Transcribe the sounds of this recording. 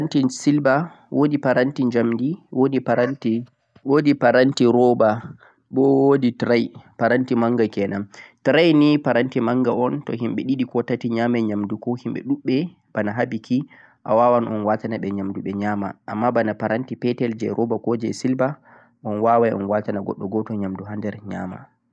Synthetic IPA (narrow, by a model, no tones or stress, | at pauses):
antisilba | wʔodipaɾantiɲd͡ʒamdiwodipaɾanti | wodipaɾantiɾɔba | ɓɔwoditɾajpaɾantimaŋɡakɛnamtɾajnipaɾantimaŋɡaɔntɔ̰ɦimɓɛɗiɗikɔtatiɲamaɲamdukɔhimɓɛ̰ɗuɓːɛ | b̥anaɦabikʰi | ʔa̰wawanʔɔnwatanaɓɛɲamduɓɛɲama̰ʔːmːabanapaɾantipɛtɛld͡ʒɛ̰ɾʔɔbakɔd͡ʒɛsilba | ɔnwawajɔ̰nwatanaɡɔ̰ɗːɔɡɔtɔɲamduɦandɛɾɲa̰ːma̰